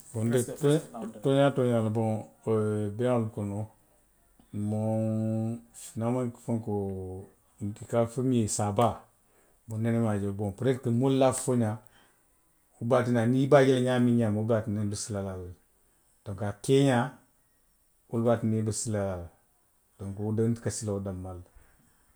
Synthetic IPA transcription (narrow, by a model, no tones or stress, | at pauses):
bondəttoɲatoɲalboŋ | beulkono | mo | naməŋkfəŋko | kikafəmesaba | bonnenemad͡ʒelboŋpɾetkəmollafoɲa | ubatinanibaɡilɲamiɲamobatinibəsilalal | d̥oŋkakeɲa | ulbatinibəsilalal | d̥oŋkodantkasiladamːal